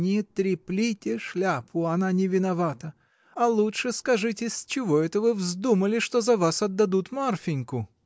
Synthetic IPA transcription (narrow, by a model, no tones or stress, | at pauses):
nʲɪjɪt̪ɾʲɪplʲitʲɪʂlʲapʰʊɐnanʲɪvʲɪnɐvat̪ə | ɐlˠutʂɨskɐʐɨtʲɪsʲt͡ɕɪvoɛt̪əvɨvzd̪uməlʲɪʂt̪ozɐvasɐd̪ːɐd̪ut̪marfʲɪnʲkʊ